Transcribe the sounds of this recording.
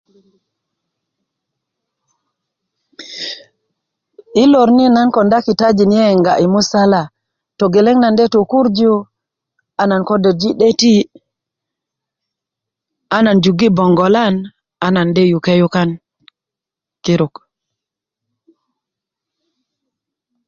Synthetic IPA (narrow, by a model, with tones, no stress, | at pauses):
i˦lo˨ɾni˦na˦nko˨nda˦ki˨ta˦d͡ʒi˨nje˦˨ŋɡa˨ʔi˨mu˦sa˦la˨ | to˨ɡe˨le˦ŋna˨nde˦tu˨ku˦ɾd͡ʒu˦ | a˦na˨nko˦de˨d͡ʒi˦ɗe˦ti˦ | a˦na˨nd͡ʒu˨ɡi˦bo˨ŋɡo˨la˦n | a˦na˨nde˦ju˨ke˦ju˦ka˦n | ki˦ɾu˨k